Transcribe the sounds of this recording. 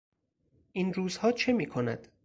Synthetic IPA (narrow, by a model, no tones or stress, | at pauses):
ʔiːnruːzhɒːt͡ʃʰe̞miːkʰonæ̰d̪̥